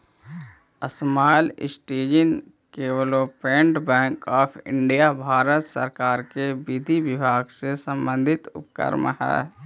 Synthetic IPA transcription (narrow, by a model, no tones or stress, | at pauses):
əsmaːlɪ̰sʈeːd͡ʒən | keːʋəloːpẽːɳɖbɛ̃ːŋkɔːpʰɪ̰̃ɳɖijabʱaːɾət̪sə̰ɾkaːɾkebɪd̪ʱiʋɪbʱaːɡsesə̃mbə̃nd̪ʱɪt̪ʊ̰pkə̰ɾmɦɛ̰ː